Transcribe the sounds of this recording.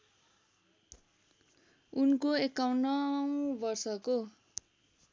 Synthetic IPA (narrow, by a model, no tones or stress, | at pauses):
unkoekaw̃nʌw̃bʌrsʌko